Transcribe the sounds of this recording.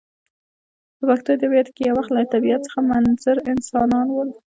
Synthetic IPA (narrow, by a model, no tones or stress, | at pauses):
pəpaxt̪od̪əwjat̪kejawaxt̪lat̪abijat̪̚t͡sə̥xamanzaɾɪnsɑnɑnwəl